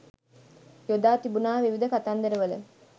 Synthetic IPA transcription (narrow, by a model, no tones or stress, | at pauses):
jod̪aːt̪ibunaːʋiʋid̪əkat̪and̪eɾeʋɐlə